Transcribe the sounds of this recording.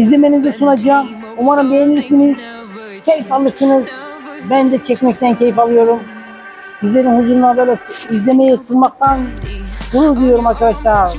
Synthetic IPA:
izlʲeme̞nizɛsunad͡ʒaːm | umaɾɯmbejeniɾsiniz̥ | cʲʰejfalˠɯɾsɯnɯz | bænd̪ɛt͡ʃʰɛcmɛc̚t̪æncʰejifalˠɯjo̞ɾum | sizlʲe̞ɾinhuzuɾunanbøjlʲɛizlʲeme̞jɛsunmak̚t̪ʰansuɾud̪ujo̞ɾumaɾkʰad̪aʃlˠaɾɾ

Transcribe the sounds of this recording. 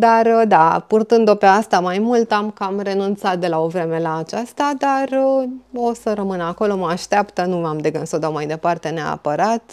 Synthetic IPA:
d̪ard̪apurt̪ɨnd̪o̞pe̞ast̪amajmult̪amkamre̞nunt̪sat̪̚d̪e̞lao̞vɾe̞me̞laːt͡ʃast̪ad̪arəo̞səɾəmɨnəako̞lo̞məaʃt̪apt̪ənuamd̪e̞ɡənsod̪amajd̪e̞part̪e̞nea̰pəɾat̪

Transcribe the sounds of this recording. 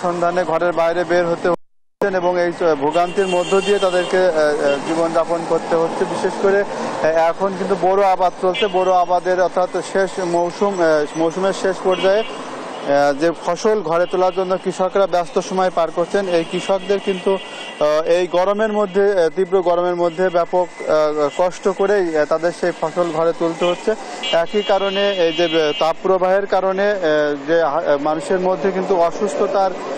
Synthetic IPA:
ʃɔnd̪ʱaneɡʱɔɾeɾbajɾebeɾɦot̪eɦʰ | eneboŋejbʱoɡant̪iɾmod̪ʱːod̪iet̪ad̪eɾked͡ʑibond͡ʑaponkoɾt̪eɦotːɕʰebiʃeʃkoɾeɛkʰonkint̪uboɾoabad̪̚t͡ɕolt͡ɕʰeboɾoabad̪eɾɔɾt̪ʰat̪ʃeʃmowʃummowʃumeɾʃeʃpɔɾd͡ʑae | d͡ʑefʰɔʃolɡʱɔɾet̪olaɾd͡ʑonːokɾiʃokɾabɛst̪oʃɔmɔepaɾkoɾt͡ɕʰenejkɾiʃok̚d̪eɾkint̪u | ejɡɔɾomeɾmod̪ʱːet̪ibɾoɡɔɾomeɾmod̪ʱːebɛpokːɔʃʈokoɾejt̪ad̪eɾʃejfʰɔʃolɡʱɔɾet̪ult̪eɦotːɕʰe | ɛkikaɾoneejd͡ʑet̪apːɾobʱaɦeɾkaɾoned͡ʑemanuʃeɾmod̪ʱːekint̪uɔʃust̪ʰot̪aɾ

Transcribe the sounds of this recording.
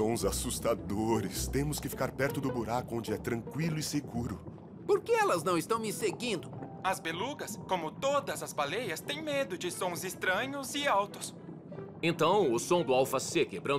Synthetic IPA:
sõw̃zasust̪ad̪oɾɪst̪ẽmʊskɪfi̥kaɾpɛɾt̪ʊd̪ʊbuɾakʊõnd͡ʒɪɛt̪ɾɐ̃kwilʊɪseɡuɾʊ | poɾkeɛlɐznɐ̃w̃ɪst̪ɐ̃w̃mɪseɡĩnd̪ʊ | ɐzbeluɡɐskõmʊt̪od̪ɐzɐzbalejɐst̪ẽj̃med̪ʊd͡ʒɪsõw̃zɪst̪ɾɐ̃ɲʊzɪawt̪ʊs | ẽnt̪ɐ̃w̃ʊsõd̪ʊawfasekebɾɐ̃n

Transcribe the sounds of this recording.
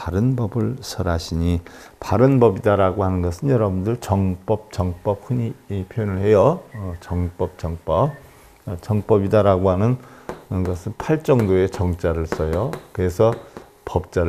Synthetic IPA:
aɾɯnbʌbɯɭsʰʌɾaɕʰiɲi | paɾɯnbʌbidaɾaɡoɦanɯnɡʌsʰɯnjʌɾʌbundɯɭt͡ɕʌŋp͈ʌp̚t͡ɕʌŋp͈ʌp̚hɯɲipʰjojonɯɭhe̞jʌt͡ɕʌŋp͈ʌp̚t͡ɕʌŋp͈ʌ | t͡ɕʌŋp͈ʌbidaɾaɡoɦanɯnɡʌsʰɯnpʰaɭt͡ɕ͈ʌŋdoe̞t͡ɕʌŋt͡ɕ͈aɾɯɭs͈ʌjokɯɾe̞sʰʌ | pʌp̚t͡ɕ͈aɾɯ

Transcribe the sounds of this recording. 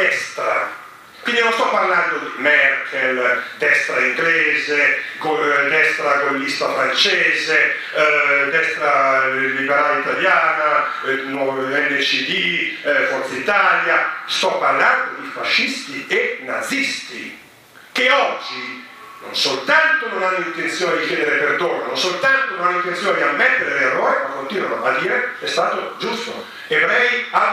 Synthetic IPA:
ɛst̪ɾa̰ | kwind̪inɔ̃nst̪ɔpːaɾland̪od̪imɛɾkɛld̪ɛst̪ɾaiŋɡlɛːzekod̪ɛst̪ɾakolːist̪afɾant͡ʃɛːze | d̪ɛst̪ɾalibɛɾalit̪aljaːna | nɔɛnːet͡ʃiðifɔɾt̪sait̪aːljast̪ɔpːarland̪od̪ifaʃːist̪ienːa̰d̪zist̪ḭ | keɔd͡ʒːi | no̰nsolt̪ant̪ononanːint̪ent̪sjoːned̪ikjɛːd̪eɾeperd̪oːnanonsolt̪ant̪ononanːint̪ːent̪sjoːned̪iamːɛt̪ːeɾeleerːoːɾekwand̪ont̪ːiːɾonabad̪iːɾeɛst̪aːt̪od͡ʒust̪o̰ | evɾɛja

